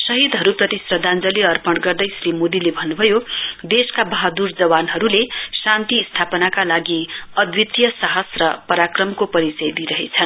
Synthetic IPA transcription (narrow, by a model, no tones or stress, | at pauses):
sʌɦid̪ɦʌɾuprʌt̪isrʌd̪ʱand͡zʌliʌrpʌɳɖɡʌrd̪ʌjsrimod̪ilebʱʌnːubʱʌjod̪eskabʌɦad̪urd͡zʌwanɦʌɾulesant̪iːst̪ʰapʌnakalaɡiʌd̪wit̪jʌsaɦʌsrʌpʌɾakrʌmkopʌɾit͡sʌjd̪iɾʌɦet͡sʰʌn